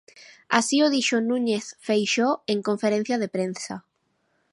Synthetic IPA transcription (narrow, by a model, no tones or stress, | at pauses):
asioðiʃonũɲeθfejʃoeŋkõɱfeɾẽn̟θjaðepɾensa